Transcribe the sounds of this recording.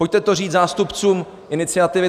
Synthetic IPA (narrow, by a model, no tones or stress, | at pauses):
po̞c̚t̪ɛt̪oriːt̪zaːst̪upt͡suːm | ʔɪnɪt͡sɪat̪ɪvɪ